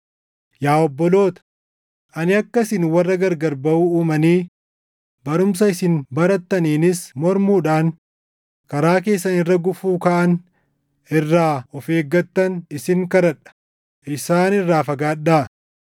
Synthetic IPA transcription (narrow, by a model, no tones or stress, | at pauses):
jaːɔbːɔlo̞ːt̪ɐ̥ | ʔɐnɪɐkːɐsɪnwɐrːɐɡɐɾɡɐɾbɐʔuːuːmɐniː | bɐɾʊms̬ɐɪsɪnbɐɾɐt̪ːɐniːnɪsmɔɾmuːᶑaːŋ | kɐɾaːk̬e̞ːsːɐnɪrːɐɡʊfuːkaʔɐn | ɪrːaːɔfe̞ːɡːɐt̪ːɐnɪsɪŋkɐɾɐᶑɐ̥ | ʔɪsaːnɪrːaːfɐɡaːɗːaː